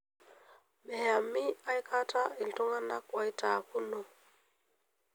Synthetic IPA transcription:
mɛ˨ja˨mi˦a˦jkʰa˦ta˦i˨ltu˦ŋa˦na˦kwa˦i˦ta˨ku˦nɔ˨

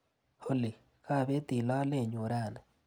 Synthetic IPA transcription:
ho˦li˨ | ka˦˨βe˦ti˨la˦le˦˨ɲo˨ɾaː˦˨na˨

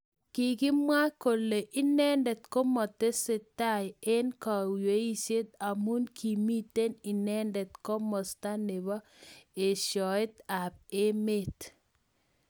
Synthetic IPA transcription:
ki˨kɪ˦mwa˦ko˨le˨ʔɪ˦nɛ˦ndɛ˨tko˦mɔ˨te˦sɪ˨ta˦je˦nka˨wje˨˦i˦se˦t̪̚a˨mu˦nkʰi˨mi˦te˦ni˨nɛ˦ndɛ˨tko˦mɔ˨sta˦nɪ˨βɔ˦ | e˨ʃjɔ˨ɪ˦ta˨p̚e˦me˦t

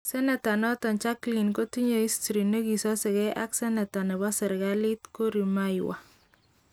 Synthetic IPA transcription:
sɛ˦nɛ˨ta˨nɔ˦tɔ˨nt͡ʃa˦kli˨nko˦tu˦ɲe˨i˦stɾi˨no˦ki˨sɔ˦sɛ˨ɣɛ˦ʔa˦ksɛ˦nɛ˨ta˨nɛ˨βa˦sɛ˨ɾɡa˦li˦t̪ko˦ɾi˨ma˦jwa̰˨

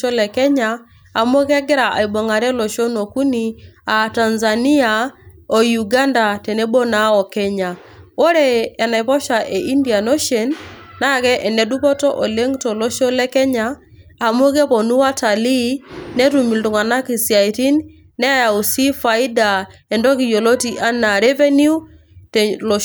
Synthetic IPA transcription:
ɔ˦lɛ˨kɛ˦ɲaː˨ | m˦o˦kɛ˦ɡɪ˦ɾa˨ʔa̰˨i˨bɔ˨ŋa˨ɾɛ˦lɔ˨ʃo˦no˨ku˦ni˨a˨ta˨nza˨ni˦a˨ | o˨ju˨ɡa˦nda˨tɛ˨ne˦bo˦na˦ɔ˨kɛ˦ɲa˨ | o˦ɾɛː˨na˨i˨pɔ˦ʃa˨ʔe˨i˦ndi˨a˨no˦ʃe˨nː | a˦kɛ˦ʔɛ˨nɛ˨du˦pɔ˦tɔ˦ʔɔ˨le˦ŋtɔ˨lɔ˦ʃɔ˦lɛ˦kɛ˦ɲaː˨ | mu˦kɛ˦pɔ˨nu˦wa˦ta˨li˦nɛ˦tu˨mi˨ldu˨ŋa˨na˦ki˨si˨a˨i˨ti˦n | nɛ˦ja˨u˨si˦fa˨i˦da˨ | ɛ˨ndɔ˦ki˨jo˨lo˦ti˨ʔa˦na˨ɾɛ˦vɛ˦nu˦ | tɛlɔ

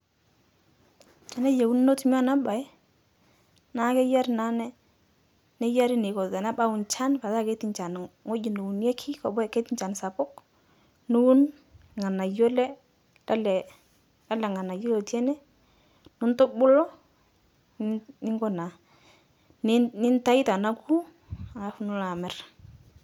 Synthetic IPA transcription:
a˨na˦je˨wu˦n˦no˦tm˦a˦˨na˦ba˨˦ | na˨˦kɛ˦ja˦ɾɪ˨na˨˦nɛ˦ | ne˦ja˦ɾɪ˦ne˨kɔ˨ðɛ˨na˦ba˦ʊ˨nt͡ʃa˦npa˨ða˦˨ke˦tɪ˨nt͡ʃa˨nŋo˦d͡ʒɪ˨no˨u˨njɛ˦kʰi˦kɔ̰˨bɛ˦˨ke˦tɪ˦ɲt͡ʃa˨nsa˨pʊ˦k | nu˦u˦n | ŋa˨na˨jo˦lɛ˦ | a˦lɛ˨ | da˦lɛ˨ŋa˨na˨jo˦lo˨tɛ˦nɛ˦ | nʊ˦ntʊ˦bʊ˦lɔ˦ | nɪ˦ŋɡɔ˦na˨ | nnɪ˦nta˦i˦ta˨na˦ku˦ | a˨ŋa˦fʊ˦nʊ˦la˨mɛ˨˦r

